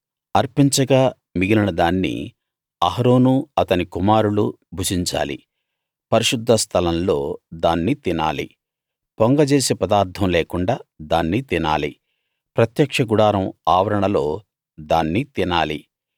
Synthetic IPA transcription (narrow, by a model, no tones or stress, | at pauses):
ɐɾpiɲt͡ʃɐɡaː | miɡilinɐd̪aːnːḭ | ɐɦɐɾo̞ːnuɐt̪ɐnikumaːɾulu | bʱut͡ʃiɲt͡ʃa̰ːlḭ | pɐɾiʃud̪ʱːɐst̪ʰɐlɐnlo̞ːd̪aːnːit̪ina̰ːlḭ | poŋɡɐd͡ʒe̞ːsepɐd̪aːɾt̪ʰɐmleːkuɳɖaːd̪aːnːit̪ina̰ːlḭ | pɾɐt̪jɐkʂɐɡuɽaːɾɐmaːʋɐɾɐɳɐlo̞ː | d̪aːnːit̪inaːli